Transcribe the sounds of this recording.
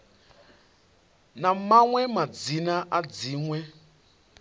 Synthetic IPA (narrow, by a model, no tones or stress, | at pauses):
namaŋwɛmad͡zinaʔad͡ziːŋwɛ